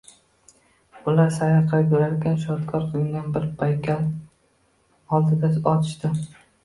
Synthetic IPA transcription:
ʊlaɾsajaqʰɨɾkʲɵɾaɾkʲʰanʃɒɾt̪kʰɒɾqʰɨlˠɪŋɡʲanbɪɾpʰajkʲʰal | ɒlˠd̪ɪd̪aɒt̪ʰɪ̥ʃt̪ɪ

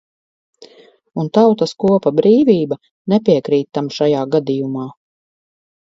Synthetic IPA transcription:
unt̪awt̪ɐskuɔpabɾiːvʲiːba | nɛpiɛkɾiːt̪ːamʃajaːɡad̪ijumaː

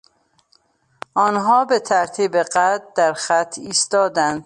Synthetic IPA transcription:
ʔɒːnɦɒːbe̞t̪ʰæɾt̪ʰiːbe̞ɢæd̪æɾxæt̪ʰːiːst̪ɒːd̪ænd̪̥

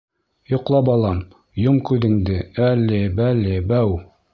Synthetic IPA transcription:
jŏqlˠɑpɑlˠɑm | jomkʉðɘ̆ŋd̪ɘælːɘbælɘbæw

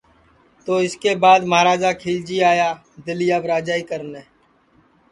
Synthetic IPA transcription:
t̪oːɪskeːbaːd̪məɦaːɾaːd͡ʒaːkʰiːld͡ʒiːaːjaː | d̪ɪlijaːʋɾaːd͡ʒaːiːkəɾneː

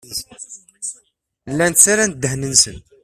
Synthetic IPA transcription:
lːænt̪t͡sːaɾæn̚d̪ːəhnənsə̰n

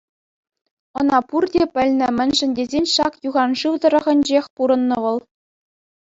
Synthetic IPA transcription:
ɤ̆nɑpurdʲepʲɘ̆lʲnʲɘ̆mʲɘ̆nʲʐɘ̆nʲdʲezʲenʲʂɑkjuʁɑnʐɯʋd̪ɤ̆ɾɤ̆ʁɤ̆nʲd͡ʑexʲpuɾɤ̆nːɤ̆ʋɤ̆lˠ

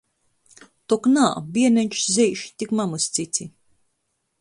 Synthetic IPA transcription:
t̪ɔknaːbiɛnɛɲʲt͡ʃu̥szɛjʃt̪ʲikmamust̪sit̪sʲi

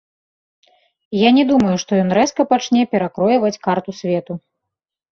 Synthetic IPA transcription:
janʲɛd̪umɐjuʂt̪ɔjɔnɾɛskɐpat͡ʂnʲɛpʲɛɾakɾɔjɐvɐt͡sʲkart̪usʲvʲɛt̪u

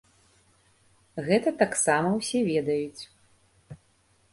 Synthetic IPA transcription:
ɣɛt̪ɐt̪aksamɐwsʲɛvʲɛd̪ɐjut͡sʲ

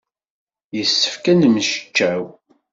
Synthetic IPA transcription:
jəsːə̥fkænmʃə̥t͡ʃːæw

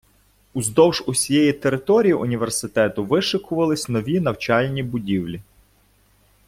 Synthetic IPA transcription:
uzd̪ɔwʒʊsʲijɛjit̪eɾɪt̪ɔɾʲijiʔʊnʲiʋersɪt̪ɛt̪ʊʋɪʃɪkʊʋɐlˠɪsʲnɔʋʲinɐwt͡ʃɑlʲnʲibʊdʲiwlʲi

